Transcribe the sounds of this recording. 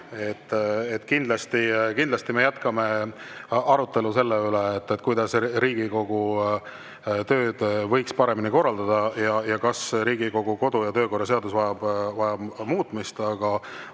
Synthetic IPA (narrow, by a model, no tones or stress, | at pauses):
e̞t̪ːet̪ːkind̪lɑst̪ikind̪lɑst̪imejæt̪kɑme̞ | ɑɾut̪ːˑe̞luse̞lːeyleːt̪ːet̪ːˑkujd̪̥ɑsɾiːɡiko̞ɡ̥u | t̪ø̞ːd̪̥vɤ̞jkspɑɾe̞miniko̞rːɑld̪̥ɑd̪ɑjɑjɑkɑsɾiːɡ̥iko̞ɡ̥uko̞d̪̥ujɑt̪øːko̞rːɑseɑd̪usvɑjɑb̥vɑjɑbmuːt̪mist̪ɑɡ̥ɑ